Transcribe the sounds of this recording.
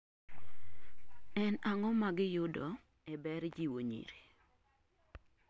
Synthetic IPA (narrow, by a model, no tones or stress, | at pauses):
ɛnaŋɔmaɡɪjodɔ | ɛbɛɾd͡ʒiwoɲḭɾe